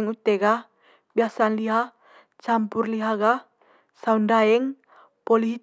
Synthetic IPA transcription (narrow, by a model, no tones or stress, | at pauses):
ŋut̪ɛɡa | biasanliɦa | t͡ʃampurliɦaɡa | saundaɛŋ | poliɦi